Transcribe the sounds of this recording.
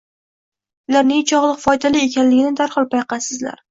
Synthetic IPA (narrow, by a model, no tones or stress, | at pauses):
ʊlaɾnɪŋt͡ʃʰɒʁlˠɨqfɒjd̪alɪe̞kʲanlɪɡʲɪnɪd̪aɾhɒlˠpʰajqʰɑsɪzla̰ɾ